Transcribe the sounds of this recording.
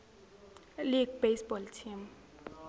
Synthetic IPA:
liɡ̚bejsbɔltʰim

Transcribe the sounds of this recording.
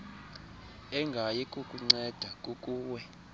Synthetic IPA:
ɛŋɡʱajɛkʼukʼuŋ͡ǀɛd̥ʱakʼukʼuːwɛ

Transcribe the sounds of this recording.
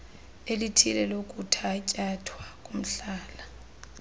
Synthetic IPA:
elitʰilɛlokʼutʰaicʼatʰwakʼum̩ɬaːla

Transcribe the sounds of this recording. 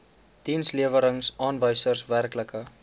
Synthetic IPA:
d̥insliəvəɾəŋsɑːnvəjsərsværkləkə

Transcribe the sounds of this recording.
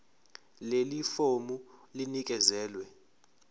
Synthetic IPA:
lelifomulinik̬ʼɛzɛːlwɛ

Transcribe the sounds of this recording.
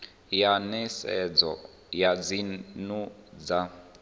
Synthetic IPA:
janɛsɛd͡zɔ̰ | jad͡zinud͡za

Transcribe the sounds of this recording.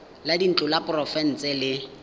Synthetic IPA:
ladin̩t͡ɬʼʊlapʼʊrɔfɛn̩t͡sʼɛlɪ

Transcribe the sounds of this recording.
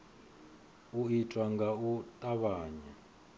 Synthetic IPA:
uitʼwaŋɡaut̪ʼaβaːɲa

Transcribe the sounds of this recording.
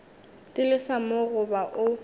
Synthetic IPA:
tʼɪlɪsamʊɣʊbaʔʊ

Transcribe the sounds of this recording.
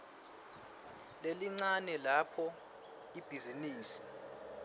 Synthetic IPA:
leliŋ͡ǀanɛlapʰɔ | ib̥ʱiziniːsi̥

